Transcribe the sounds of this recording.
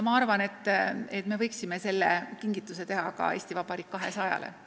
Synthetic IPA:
mɑɑrvɑne̞t̪ːet̪me̞vɤjksime̞se̞lːekiŋɡ̥it̪ːˑuse̞t̪e̞ɦɑkɑ̰e̞ːsʲt̪ivɑpɑɾikːɑɦe̞sɑjɑ̰lḛ

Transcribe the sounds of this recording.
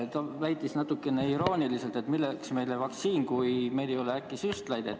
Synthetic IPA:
t̪ɑvæjt̪ːˑisnɑt̪ːˑukːe̞neiɾo̞ːnʲilise̞lt̪e̞t̪milːeksme̞jlevɑk̚t̪siːnkujme̞jd̪e̞jo̞leækːˑisyst̪lɑjd̪et̪ːˑ

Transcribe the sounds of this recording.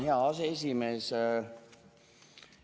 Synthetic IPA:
heɑɑseesimes

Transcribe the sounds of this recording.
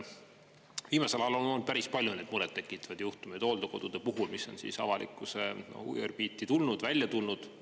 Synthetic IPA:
viːmɑselɑlolnolnd̪̥̚pæɾispɑljune̞ːd̪̥muɾɛdt̪ːe̞kˑːit̪ːˑɑ̥vɑd̪juht̪umejd̪̥oːld̪̥ɑko̞d̪̥ud̪̥e̞puɦulmisːo̞̰nsḭsɑ̰vɑlḭkːˑuseo̰ṵjerb̥iːt̪ːˑit̪ulnud̪̥vælʲjɑt̪ulnud̪̥

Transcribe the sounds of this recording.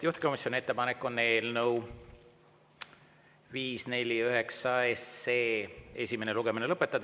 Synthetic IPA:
uht̪e̥ko̞misjo̞nʲie̞t̪ːe̞pɑnekːo̞nːe̞ːlnəuw | viːsne̞lʲiyɦe̞ksɑeseːe̞sʲime̞neluɡ̥e̞minelɤpːˑe̞t̪ːˑɑd̪̥

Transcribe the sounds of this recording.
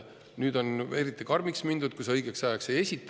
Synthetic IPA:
nyːd̪̥o̞ne̞ɾit̪ːˑikɑrmiksmind̪̥ud̪̥kusɤ̞jɡ̥eksæjːkse̞je̞sʲit̪ːˑ

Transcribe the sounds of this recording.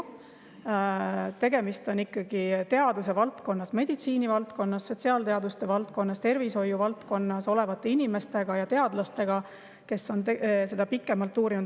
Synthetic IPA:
t̪e̞ɡe̞mist̪o̞nikːˑɑɡ̥it̪e̞ɑd̪use̞vɑlt̪ko̞nːɑsme̞d̪̥it̪siːnivɑlt̪ko̞nːɑsːo̞t̪ʲsiɑlt̪eɑd̪ust̪e̞vɑlt̪̚ko̞nːɑst̪e̞rviso̞jːuvɑlt̪ko̞nːɑso̞le̞vɑt̪ːˑe̞inime̞st̪e̞ɡ̥ɑjɑt̪e̞ɑd̪̥lɑst̪e̞ɡ̥ɑ | ke̞sːo̞nt̪ese̞d̪̥ɑpikːˑe̞mɑlt̪ːˑuːɾinud̪

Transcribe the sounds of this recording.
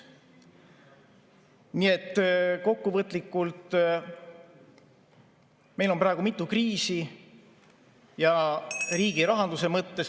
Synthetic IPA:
nie̞t̪ːˑko̞kːuvɤt̪ːˑlikːˑult̪ | me̞jlo̞nprɑˑeɡumit̪ːˑukriːsi | jɑɾiːɡ̥iɾɑɦɑnd̪̥use̞mɤt̪ːe̞s

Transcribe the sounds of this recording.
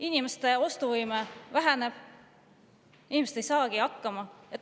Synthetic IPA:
inimest̪e̞o̞st̪uvɯjmevæɦæneb̥ | inimeset̪ejsɑːɡ̥iɑkːɑmɑet̪ː

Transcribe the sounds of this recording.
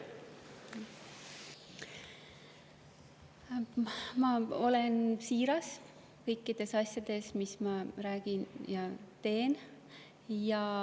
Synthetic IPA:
mɑo̞lensiːɾɑs | kɤjkːid̪̥e̞sɑsʲjɑd̪̥e̞smismɑɾæːɡ̥injɑt̪e̞ːn | jɑ

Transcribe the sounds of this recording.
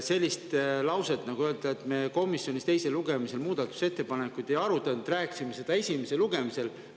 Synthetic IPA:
se̞lʲːist̪lɑwse̞t̪ːˑnɑɡ̥uøːld̪̥ɑet̪ːˑme̞ko̞misjo̞nʲist̪e̞jse̞luɡ̥e̞mise̞lmuːd̪̥ɑt̪ːˑu̥se̞t̪ːe̞pɑnekːˑujd̪̥e̞jɑɾut̪ːˑɑnud̪̥ræːkːˑi̥simese̞d̪̥ɑe̞sʲime̞seluɡe̞mise̞l

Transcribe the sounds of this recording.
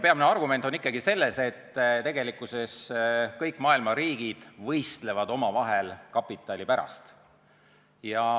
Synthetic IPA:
peɑmineɑrɡume̞nt̪ˑonikˑːɑɡ̥ise̞lːe̞se̞t̪ːt̪e̞ɡe̞likːˑuse̞skɤjkːˑmɑːilmɑɾiːɡ̥id̪̥vɤjst̪le̞vɑd̪o̞mɑvɑɦelkɑpːˑit̪ːˑɑlʲipæɾɑ̰st̪ | jɑ

